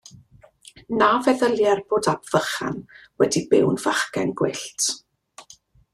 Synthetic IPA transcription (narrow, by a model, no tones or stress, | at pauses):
naːvɛðəlˠjarboːdabv̥əχa̰nwɛdibɪwnvaχkɛnɡwɪɬtʰ